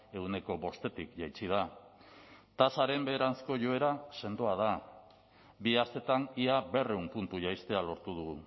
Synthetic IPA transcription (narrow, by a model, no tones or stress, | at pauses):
e̞wne̞ko̞βo̞st̪e̞t̪ikʝajt͡sið̞a | t̪asaɾe̞mbeðeɾant͡sko̞ʝo̞e̞ɾase̞nd̪oað̞a | biast̪e̞t̪aniabe̞reumpunt̪uʝajst̪e̞alo̞ɾt̪uð̞uɣu